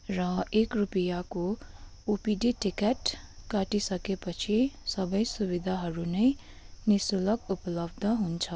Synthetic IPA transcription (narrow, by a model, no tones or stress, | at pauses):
ɾʌekɾupijako | upiɖiʈikeʈ | kaʈisʌkepʌt͡ʃʰisʌbʌjsubid̪ʱaɦʌɾunʌj | nisuləkuplʌb̚d̪ʱəɦunt͡ʃʰʌ